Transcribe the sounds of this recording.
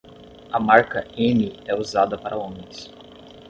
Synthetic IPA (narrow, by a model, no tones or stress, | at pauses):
ɐmaɾkɐẽniɛuzad̪ɐpaɾʔɐõmẽjs